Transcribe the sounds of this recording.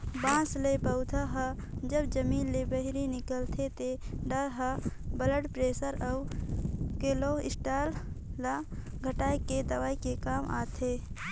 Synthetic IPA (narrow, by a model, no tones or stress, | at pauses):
bãːslepəʊd̪ʰʱəɦə | d͡ʒəbd͡ʒəmiːlːebəɦɾinɪkəlt̪ʰet̪eɖəɾɦəbələɽpɾeːsəɾəʊ | keːloɪsʈaːlːa | ɡʱəʈaːiked̪əʋaːikekaːmʔa̰ːt̪ʰe